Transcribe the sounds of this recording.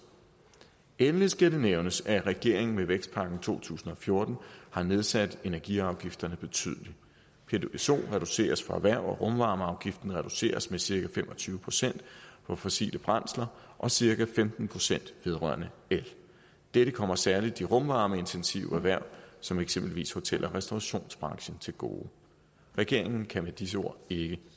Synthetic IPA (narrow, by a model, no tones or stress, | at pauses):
enlisɡ̥ædeneʊnəsæʁɛɡ̥e̝ɐ̰e̝ŋn̩meʋeɡ̥sd̥pʰɑ̈ɡ̥n̩t͡sʰo̝̰ːt͡sʰṵːsn̩ɒ̽fjo̝ːɐd̥n̩hɑ̈ne̝ð̞ˠsæd̥e̝næɐɡ̥iɑ̈ʊɡ̥ifd̥ɐnəb̥e̝t͡sʰy̰ðˠəli | pʰeeso̝̰ːʁɛd̥use̝̰ːɐsfɒ̽æʋæɐ̰ɒ̽ʁɔ̽mʋɑ̈ːməɑ̈ʊɡ̥ifd̥n̩ʁɛd̥use̝̰ːɐsmesiɐkæfem̰ʔɒ̽t͡sʰyːʊəpʰʁo̝̥sen̰d̥pʰɒ̽fɒ̽sḭːləb̥ʁɑn̰slɐʔɒ̽siɐkæfemd̥n̩pʰʁo̝sen̰d̥ʋe̝ð̞ˠʁɶ̰ɐ̰nəel | d̥eɾ̥əkʰɒ̽m̰ɐsæɐlid̥iʁɔ̽mʋɑ̈ːməe̝nt͡sʰensḭʊæʋæɐ̰sɒ̽meɡ̥sem̰b̥lʋḭːsho̝t͡sʰel̰ʔɐʁɛsd̥oɑɕo̝̰ːnsb̥ʁɑ̈ŋɕən̩t͡sʰe̝lɡ̥o̝̰ː | ʁɛɡ̥e̝ɐ̰eŋn̩kʰæmed̥is̬əo̝̰ɐ̰e̝ɡ̥ə